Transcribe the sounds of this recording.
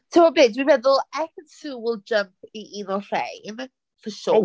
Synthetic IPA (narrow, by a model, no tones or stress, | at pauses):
tʰəmɔbeːdwivɛðʊlˠɛkənsuːwɪlˠd͡ʒəmp̚ʰiʔinɔr̥ḛjn | fəʃɔ